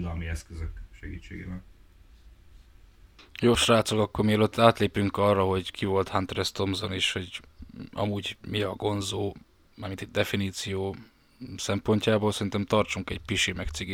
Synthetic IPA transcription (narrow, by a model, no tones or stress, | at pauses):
d̪ɒlmiɛskøzøkʃɛɡḭːt͡ʃːeːɡḛːbɛn | joːʃraːt̪sokɒkːormiɛløt̪ʰːaːt̪leːpyŋkɒrːɒɦo̞ɟkʰivo̞lt̪hant̪rɛst̪o̞mzoniʃho̞ɟʔɒ̰muɟmiɒɡo̞nzoː | maːrminit̪̚d̪ɛfiniːt̪sijoː | sɛmpo̞ɲcaːboːlsɛɾint̪ɛmt̪ɒrt͡ʃuŋkɛɟpiʃimɛkt̪siɡ